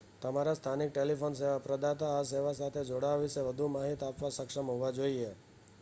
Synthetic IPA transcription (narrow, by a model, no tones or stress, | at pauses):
t̪əmaɾast̪ʰanik̚ʈelifons̬eʋapɾəd̪at̪aːs̬eʋasat̪ʰed͡ʒoɽaʋiʃeʋəd̪ʱumaɦit̪apʋasəkʂəmɦoʋad͡ʒoie